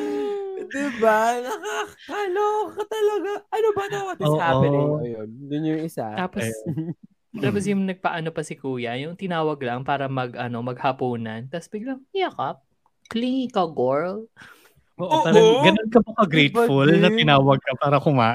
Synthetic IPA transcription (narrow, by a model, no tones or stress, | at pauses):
d̪ɪbanɐka | ɐlokɐt̪ɐlɐɡaʔɐnobɐt̪awɐd̪ɪoshaɪɐjond̪ʊnjʊŋɪsa̰t̪aːpos | t̪aːpos̬jʊŋnɐɡ̚pɐʔɐno̞pɐsɪkuːjɐjʊŋt̪ɪnaːwɐɡlɐŋpaːɾɐmɐɡʔɐno̞mɐɡ̚hɐpuːnɐnt̪ɐsbɪɡ̚lɐŋjɐkap̚ | kliŋkɐɡoɹl | ʔoːʔʔt̪ɐlɐɡɡɐnonkɐpokɐɡɾɛjt̪fulnɐt̪ɪnaːwɐɡ̚kɐpaːɾɐkʊmaːʔ